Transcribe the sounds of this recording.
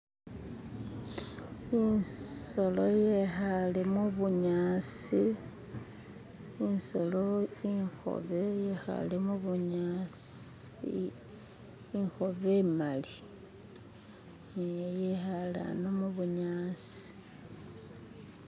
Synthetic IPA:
inso̞lo̞jexalemuβuɲaːsi | inso̞lo̞iŋxo̞̰βe̞jexa̰lemuβuɲasḭ | ixo̞βemali | jejexala̰nomuβuɲaːsi̥

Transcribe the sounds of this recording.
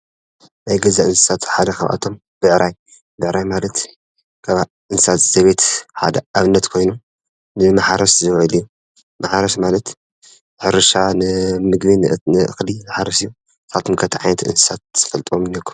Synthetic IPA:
najɡɐzaʔɨnsɨ̥sat̪ħad̪ɐxɐ̰βʔa̰t̪ʰo̞m | b̥ɨʕɾʔaj | bɨʕɾajmalɐt̪ | kʰaβ | ʔɨnsɨsat̪z̥ɐβe̞t̪ħa̰d̪ɐʔaβɨnːɐt̪kʰo̞jnum | nɨmaħaɾɐʃzɨβʕɨlijːu | maħaɾɐʃmalɐt̪ | ħɨɾɨʃanɨmɨɡβinnɨʔɨ̰xlimaħaɾɐsɨjːu | kʰalt̪ʰomkʰɐt̪ʰiʕa̰jnɐt̪ɨ̰nsɨ̥sat̪z̥ɨfɐlt̪ʼwomɨnːekʰːu̥m

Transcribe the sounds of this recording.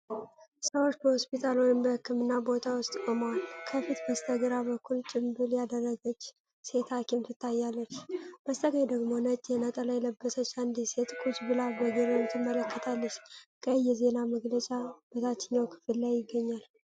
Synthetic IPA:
səwo̞t͡ʃːbəhho̞spit̪ʰalojɪnbəhɨkːɨmɨnːabo̞t̪ʰawʊst̪ʼkʼomwalkʰəfit̪bəst̪ʰəɡɨɾabəkʰːult͡ʃʼɪmbɨljad̪ərːəɡət͡ʃː | se̞t̪ʰakʰemt̪ɨt̪ʰːajːalːət͡ʃːb̥əst̪ʰʼəɡəjd̪əɡmo̞nət͡ʃʼjɛnət̪ʼəlajɛləbːəsət͡ʃːand̪iset̪ʼkʼut͡ʃʼbɨlabəɡeɾənut̪ɨmːələkːət̪ʰalːət͡ʃːkʰʼəjːɛze̞naməɡlət͡ʃʼab̥ət̪ʰat͡ʃːɪɲːawkʰɨ̥fɨlːajːɪɡːəɲːal

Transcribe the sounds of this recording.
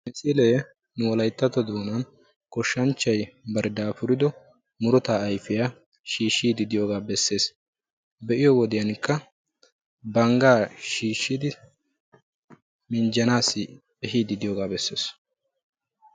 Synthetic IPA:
mɪsileː | nʊwɔlɐjt̪ːɐt̪ɔd̪oːnɐn | kɔʃːɐnt͡ʃːɐjbɐɾd̪aːfʊɾɪd̪ɔ | mʊɾʊt̪aːɐjfɪjaː | ʃiːʃːiːd̪ɪd̪ɪjoːɡaːbɛsːe̞ːs | bɛʔɪjɔwɔd̪ɪjɐnkːɐ | bɐŋɡaːʃiːʃːɪd̪ɪ | mɪnd͡ʒɐnaːsːɪ | ɛɦiːd̪ɪd̪ɪjoːɡaːbɛsːe̞ːs

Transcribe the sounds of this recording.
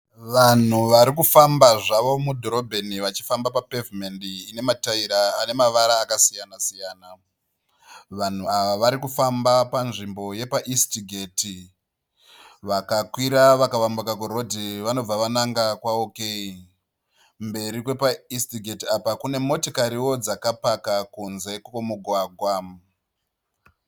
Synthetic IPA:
ʋan̤uʋaɾikufambaʐaʋo̞mudʱo̞ɾo̞bʱe̞niʋat͡ʃi̥fambapapevimendiːne̞mataiɾaːne̞maʋaɾaːkasijanasijaːna | ʋan̤uaʋaʋaɾikufambapanʐimbo̞je̞paʔistiɡʱe̞ːti | ʋakakwiɾaʋakaʋambukakuɾo̞dʱiʋano̞b͡vaʋanaŋɡakwaokei | mbe̞ɾikwe̞paistiɡʱe̞tiapakune̞mo̞tokaɾiwo̞d͡zakapakakunze̞komuɡʱwaːɡʱwa

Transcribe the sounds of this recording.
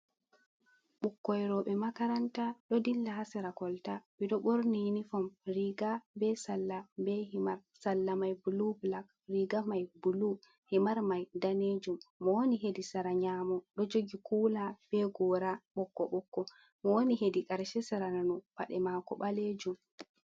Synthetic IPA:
ɓukːɔjɾɔɓɛmakaɾantaɗɔdilːahasɛɾakɔltaɓiɗɔɓoɾninifɔmɾiɡabɛsalːabɛhimaɾ | salːamajbulublak̚ | ɾiɡamajbulu | himaɾmajdaned͡ʒumːɔwoniɦedisaɾaɲaːmɔɗɔd͡ʒoɡikulab̥ɛɡɔɾaɓɔkːɔɓɔkːɔ | mɔwoniɦedikaɾʃɛsaɾananɔpa̰ɗɛmakɔɓaled͡ʒum

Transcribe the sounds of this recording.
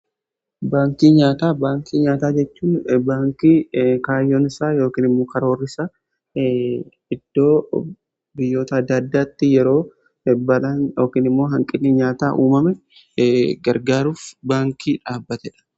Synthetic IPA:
baːŋkiːɲaːt̪aːbaːŋkʰiːɲaːt̪aːd͡ʒɛt͡ʃːuːnbaːŋkiːkaːjːonɪsaːjo̞ːkiːnɪmːo̞ːkɐɾo̞ːrːɪsa | ɪd̪̥ːo̞ː | bɪjːo̞ːt̪ɐɐd̪ːɐd̪ːaːt̪ːɪjɛɾo̞ː | bɐlanjo̞ːkiːnɪmːo̞ːɦɐŋkʼɪnːɪɲaːt̪aːʔuːmɐmɛ | ɡɐɾɡaːɾuːfbaːŋkiːᶑaːbːɐt̪ɛᶑɐ̥

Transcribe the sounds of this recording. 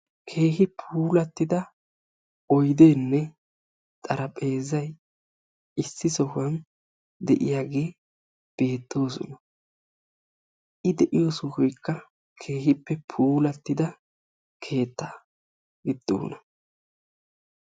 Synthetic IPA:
kʰe̞ːhɪpʰuːlɐt̪ːɪd̪ɐ | ɔjd̪e̞ːnːɛ | t̪ʼɐɾɐpʼe̞ːzɐj | ɪsːɪsɔhʊwɐn | d̪ɛʔɪ̰jaːɡe̞ː | b̥e̞ːt̪ːo̞ːs̬ɔ̰nɐ | ʔɪd̪ɛʔɪjosɔhɔjkːɐ | kʰe̞ːɦɪpːɛpʰuːlɐt̪ːɪd̪ɐ | kʰe̞ːt̪ːɐ | ɡɪd̪̥ːo̰ːnɐ

